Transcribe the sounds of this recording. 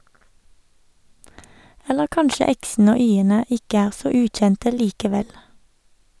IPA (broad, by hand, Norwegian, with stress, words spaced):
ˈɛləʁ ˈkɑnʃə ˈɛksn̩ə ˈoː ˈyːənə ˈɪkə ˈæːʁ ˈsoː ˈʉːtˌçɛntə ˈliːkəˌʋɛl